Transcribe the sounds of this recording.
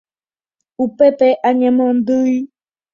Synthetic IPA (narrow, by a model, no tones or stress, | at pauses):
upɛpɛʔaɲɛmɔn̩dəi